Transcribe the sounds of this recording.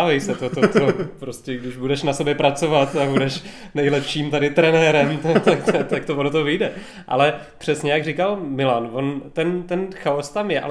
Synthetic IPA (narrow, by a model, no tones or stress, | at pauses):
avɛjsɛt̪ot̪ot̪opɾoscʲɛɡdɪʒbudɛʃnasobɛpɾat͡so̞vat̪abudɛʃ | nɛjlɛpʃiːmt̪adɪt̪ɾɛnɛɾɛmt̪ot̪akt̪t̪ak̚t̪ovonot̪ovɪjdɛ | ʔa̰lɛ | pr̝̥ɛsɲɛjaɡrikalmɪlanvo̞nt̪ɛnt̪ɛnxaost̪amjɛʔa̰l